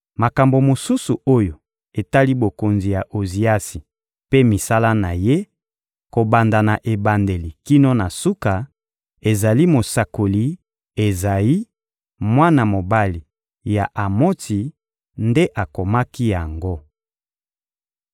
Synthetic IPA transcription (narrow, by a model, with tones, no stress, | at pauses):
ma˨ka˨mbo˨mo˨su˦su˨o˦jo˨ | e˨ta˦li˦bo˨ko˨nzi˨ja˨ʔo˨zi˨a˦si˨ | pe˦mi˨sa˦la˦na˨je˦ | ko˨ba˨nda˨na˨ʔe˨ba˨nde˨li˨ki˦no˦na˨su˦ka˨ | e˨za˨li˦mo˨sa˨ko˨li˨˦ | e˨za˨ji˦ | mwa˦na˨mo˨ba˦li˨ | ja˨ʔa˨mo˦ti˨ | nde˦ʔa˨ko˨ma˦ki˦ja˨ŋɡo˦